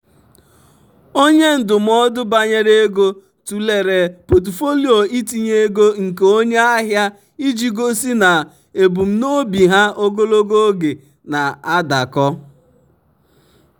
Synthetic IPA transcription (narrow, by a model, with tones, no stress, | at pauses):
o˦ɲe˦n̩˨dʊ˨m̩˦ɔ˦dʊ˦ba˨ɲe˦ɾe˦ɡo˦ | tu˨le˨ɾe˨po˨t̬i˨fo˦li˦o˨i˦ti˨ɲe˦e˦ɡo˦ŋ̩˨ke˨o˦ɲe˦a˦ɦja˦ | i˦d͡ʒi˨ɡo˦si˦na˨ | e˨bu˨m̩˦no˦bi˨ɦa˦ʔo˦ɡo˦lo˦ɡo˦ɡe˨ | na˨a˦da˨kɔ˦